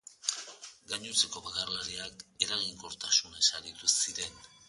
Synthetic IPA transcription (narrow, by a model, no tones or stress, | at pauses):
ɡaɲut͡se̞ko̞βakarlaɾiake̞ɾaɣiŋko̞ɾt̪asunaesaɾit̪usiɾe̞n